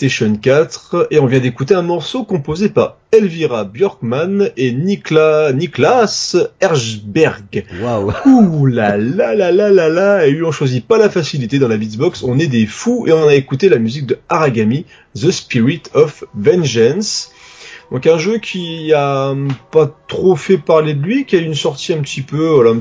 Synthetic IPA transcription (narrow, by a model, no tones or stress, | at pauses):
t̪eʃɔnkʲat̪χeɔ̃vjɛ̃d̪ekut̪eɛ̃mɔʁsokɔ̃pozepa̰ʁ | ɛlviʁabjɔʁkmaneniklaniklasɛʁzbɛʁɡwaulalalalalalaeyɔ̃ʃwazipalafasilit̪ed̪ɑ̃labibɔksɔ̃nɛd̪efuḛɔ̃naekut̪elamyzik̚d̪əaʁaɡami | zəspiʁit̪ʰɔfvɛ̃nʒɛns | d̪̥ɔ̃kɛ̃ʒøkʲʰiapat̪χofɛpaʁled̪əlɥikʲiaynsɔʁt̪ʰiɛ̃pət̪ʰipøalaɛ̃